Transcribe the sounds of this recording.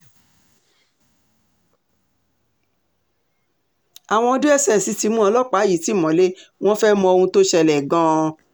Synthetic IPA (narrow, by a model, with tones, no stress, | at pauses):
a˨w̃ɔ̃˧˦du˦ɛ˦sɛ˦˨si˨˧˦ti˧mũ˦ɔ˧lɔ˦k͡pa˨˦˨ji˨˦ti˨˦˨mɔ̃˨˦le˦w̃ɔ̃˦fɛ˦mɔ̃˧o˧hũ˧to˦ʃɛ˧˨lɛ˨ɡã˧˦˧